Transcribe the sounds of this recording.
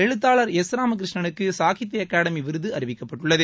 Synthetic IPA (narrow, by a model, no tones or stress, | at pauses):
ɛɻɯt̪ːaːɭɐɾesɾaːmɐk̬ɪɾɪʂɳɐnɯkːɯsaːkɪt̪̬ːɐjɐkaːɽɐmiʋɪɾɯðɯɐɾɪʋɪkːɐpːɐʈːʊɭːɐðɯ